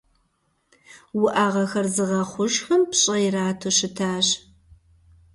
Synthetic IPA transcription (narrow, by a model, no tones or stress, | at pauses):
wʊʔaːʁɐxɐrzɨʁɐχʷʊʒxɐmpɕʼɐjɪraːtʰoɕɪtʰaːɕ